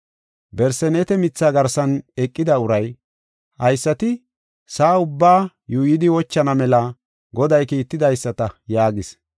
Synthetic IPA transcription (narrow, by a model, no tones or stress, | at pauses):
bɛɾsɛnɛːt̪ɛmɪt͡sːaːɡɐɾsɐnɛkʼːɪd̪ɐʊɾɐj | hɐjsːɐt̪ɪ | saːʊbːaː | juːjɪd̪ɪwɔt͡ʃːɐnɐmɛlɐ | ɡɔd̪ɐjkiːt̪ːɪd̪ɐjsːɐt̪ɐjaːɡɪs